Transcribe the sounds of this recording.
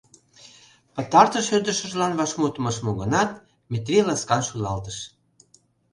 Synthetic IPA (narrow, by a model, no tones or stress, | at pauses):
pə̆t̪ɑrt̪əʃørd̪ə̆ʃə̆ʒlɑnβɑʃmut̪ə̆mɤʃmoɣənɑt̪ | mʲet̪rʲilɑskɑnʃulɑlt̪əʃ